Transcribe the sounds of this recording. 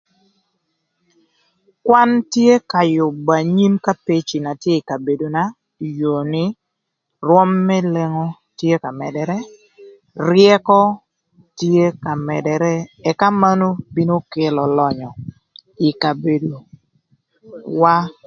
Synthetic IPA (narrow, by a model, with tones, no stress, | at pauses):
kwa˦ntje˦ka˨jʊ˨ba˨ɲi˦mka˦pe˦t͡ʃi˨na˨tje˦i˨ka˨be˨do˨na˦ | jo˨nɪ˦ | rwɔ˦mːɛ˦le˦ŋɔ˦ | tje˦ka˨mɛ˨dɛ˨ɾɛ˦ | rjɛ˦kɔ˦ | tje˦ka˨mɛ˨dɛ˨ɾɛ˦ɛ˨ka˦ma˦no˦bi˦no˦ke˨lɔ˨lɔ˨ɲɔ˨ | i˨ka˨be˨do˨ | wa˦